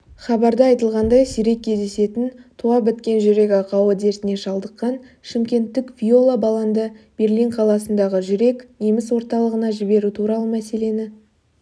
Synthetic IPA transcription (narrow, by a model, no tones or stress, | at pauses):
χɑbɑɾd̪əɑjt̪əlˠʁɑnd̪ɑjsʏɾe̞kʲʰːe̞zd̪e̞se̞t̪ɪnt̪ʰuɑbɪt̪kʲe̞nʒʏɾe̞kʲɑqɑwəd̪e̞ɾt̪ɪne̞ʃɑlˠd̪əqːɑn | ʃɪmkʲe̞nt̪ːɪkvʲijo̞lˠabɑlˠɑnd̪əb̥e̞ɾliɴqʰɑlˠɑsənd̪ɑʁəʒʏɾe̞kne̞mɪswo̞ɾt̪ɑlˠəʁənɑʒɪbe̞ɾut̪ʰuɾɑlˠəmæse̞le̞nɪ